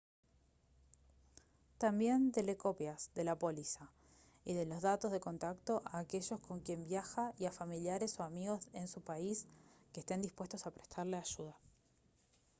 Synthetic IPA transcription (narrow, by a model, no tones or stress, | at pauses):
t̪ambje̞nt̪e̞leko̞pjasðe̞lapo̞lisa | iðe̞lo̞zðat̪o̞zð̞eko̞nt̪akt̪o̞ʔaːke̞ʒo̞sko̞ŋkje̞mbjaxaiafamiljaɾe̞so̞amiɣo̞se̞nsupaiskest̪e̞nd̪ispwe̞st̪o̞sapɾe̞̥st̪ʰaɾleaʒ̥uð̞a